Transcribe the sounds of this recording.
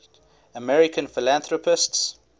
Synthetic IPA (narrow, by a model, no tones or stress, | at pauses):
əmɛɹɪkʰə̃nfɪlãnθɹɔpɪsts